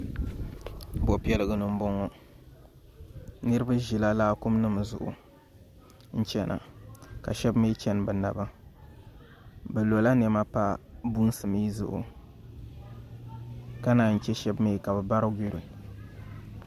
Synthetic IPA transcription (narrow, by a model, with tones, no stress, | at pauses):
bo˨pi˦ɛ˦lɨ˨ɡɨ˨nɨ˨m̩˦bɔ˦ŋɔ˦ | nɨ˦ɾɨ˦ba˦ʒi˨la˦laː˦kʊ˦mnɨ˦m˨zʊ̰˨ʔʊ̰˨ | n̩˦t͡ʃɛ˦nʔa̰˨ka˨ʃɛ˦bme˦t͡ʃɛ˦n˨bɛ˨na˨ba˦ | bɛ˨lo˨la˦n˨ɛ˨ma˦pa˦bu˦n˦sɨ˨mi˦zʊ̰˨ʔʊ̰˨ | ka˦naː˨n̩˨t͡ʃɛ˦ʃɛ˦bme˦˨ka˨bɛ˨ba˦ɾɨ˦ɡʷi˦ɾi˨